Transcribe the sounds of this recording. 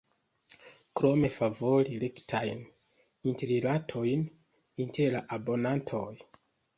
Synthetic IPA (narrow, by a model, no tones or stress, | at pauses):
kɾo̞me̞favo̞ɾilektʰajn | inteɾilatʰo̞jn | intʰe̞ɾlaʔabo̞nantʰo̞j